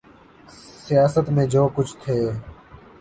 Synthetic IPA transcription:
sɪjaːsət̪mẽːd͡ʒoːkʊt͡ʃʰt̪ʰeː

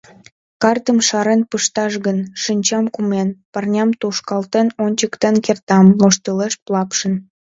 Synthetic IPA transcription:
kɑrt̪əmʃɑɾenpəʃt̪ɑʃɣənʃinʲt͡ɕɑmkumenpɑrnʲɑmt̪uʃkɑlt̪enonʲt͡ɕəkt̪enkert̪ɑmloʃt̪əleʃplˠɑpʃə̆n

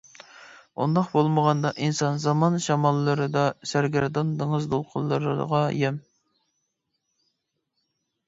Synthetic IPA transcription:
ṵnd̪ɑqbolˠməʁɑnd̪ɑʔinsɑnzɑmɑnʃɑmɑlˠːəɾɨd̪ɑsæɾɡʲæɾd̪ɑnd̪əŋəzd̪olˠqʰʊlˠːəɾɨʁɑjɛm

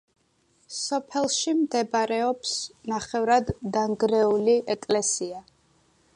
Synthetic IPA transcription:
sɔpʰɛlˠʃimd̪ɛbaɾɛɔpsnaχɛvɾad̪ːaŋɡɾɛuliʔɛkʼlɛsia

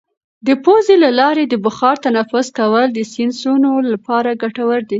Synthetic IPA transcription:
d̪əpozelalɑɾed̪əbʊxɑɾt̪anafʊskawəld̪əsɪnsunolapɑɾaɡaʈawəɾd̪i

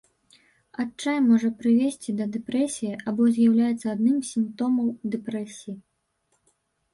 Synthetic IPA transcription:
at͡ʂajmɔʐɐpɾɨvʲesʲt͡sʲid̪ɐd̪ɛpɾɛsʲijiʔabɔzʲjawlʲajɛt̪sːɐad̪nɨmsʲimpt̪ɔmɐwd̪ɛpɾɛsʲiji

